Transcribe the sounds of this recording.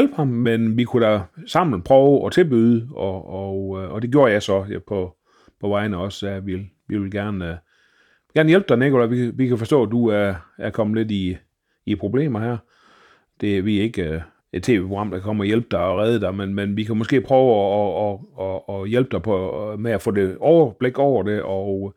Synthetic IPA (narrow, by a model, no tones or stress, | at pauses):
jlb̥hɑ̈mmenʋikʰuɾ̥æsɑ̈m̰l̩n̩pʰʁœʊʔɒ̽t͡sʰe̝lb̥yːðˠəɒɒɒ̽d̥e̝ɡ̥jo̝ːɐjɑ̈ɪsɒ̽pʰɒ̽ | pʰɒ̽ʋɑ̈ɪnəɒ̽sæʋilʋiʋe̝lɡ̥æɐn | ɡ̥æɐnəjelb̥d̥ɑɪneɡolæʋiʋikʰæfɒsd̥ɔ̰ːd̥uæɐæɐkʰɒ̽məle̝diː | pʰʁo̝b̥le̝̰ːmɐhæɐ̰ | d̥e̝æʋiæe̝ɡ̥ə | e̝̥t͡sʰe̝ːʋe̝ːpʰoɡ̥ʁɑ̈m̰d̥ɑkʰɒ̽m̰ɒjelb̥̚d̥ɑ̈ɪɒʁɛːð̞ˠəd̥ɑ̈ɪmenmenʋikʰæmɔ̽sɡ̥e̝̰ːpʰʁœːʊːɒːjelb̥̚d̥ɑpʰɒmeæfɔ̰̽ːd̥e̝ɒʊɐb̥le̝ɡ̥ɒʊ̰ɐde̝ʔɒʊ